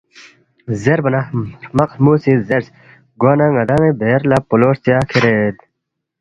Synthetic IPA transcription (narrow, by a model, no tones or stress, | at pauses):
zeɾbɐnamɐqsmuːsizeɾs | ɡwaːnaŋɐd̪aŋebeɾlapuloʂt͡sijakʰiɾed̪